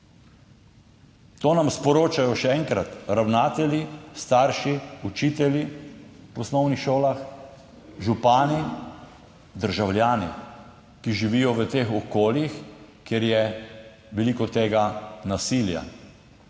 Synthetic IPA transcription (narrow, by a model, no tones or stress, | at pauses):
t̪oːnamspɔɾoːt͡ʃajɔʃɛɛŋkɾat̪ɾawnaːt̪ɛlʲjist̪aːɾʃiut͡ʃiːt̪ɛljipɔsnɔwnixʃoːlax | ʒupaːni | d̪əɾʒawlʲjaːni | kiʒiʋiːjɔʋət̪eːxɔkoːljixkjeɾjɛ | ʋɛlikɔt̪eːɡanasilja̰